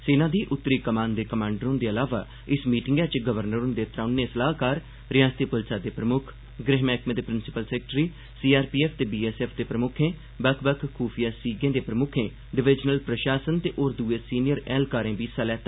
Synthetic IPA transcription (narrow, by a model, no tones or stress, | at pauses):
seːnãːd̪iːʔʊt̪ːɾiːkəmãːnd̪eːkəmãːɳɖəɾõːnd̪eːəlaːʋaː | ɪsmiːʈɪŋɡɛ̃ːt͡ʃɡəʋəɾnəɾõnd̪eːt̪ɾaːnːẽːsəlaːkaːɾ | ɾɪjãːst̪iːpʊlsaːd̪eːpɾəmʊkʰ | ɡɾɪɦmɛːkmẽːd̪eːpɾɪnsɪ̥pəlsɛːk̚ʈɾiː | siːaːɾpiːɛːpʰt̪eːbiːeːseːpʰd̪eːpɾəmʊkʰẽː | bəkʰbəkʰkʰːuːpʰijaːsiːɡẽːd̪eːpɾəmʊkʰẽː | ɖɪʋɪd͡ʒnəlpɾəʃaːsənt̪eːʔoːɾd̪uːeːsiːnɪjəɾɛːlkaːɾẽːbiːsaːlɛːt̪ː